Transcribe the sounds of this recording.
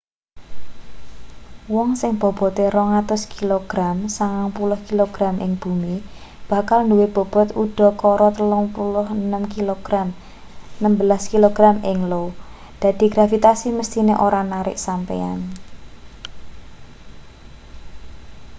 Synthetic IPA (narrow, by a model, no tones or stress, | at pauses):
wɔŋsɪŋb̥ɔ̤b̥ɔ̤t̪eɾɔŋat̪ʊskiloɡ̥ɾamsaŋaŋpulʊhkiloɡ̥ɾamʔɪŋb̥ṳmi | b̥a̤kalnduweb̥ɔ̤b̥ɔ̤t̪uɖ̥ɔ̤kɔɾɔt̪əlʊŋpulʊhənəmkiloɡ̥ɾam | nəmbəlaskiloɡ̥ɾamɪŋlow | d̪̥a̤d̪̥i̤ɡ̥ɾafit̪asiməst̪ineʔoɾanaɾɪ̰ʔsampḛa̰n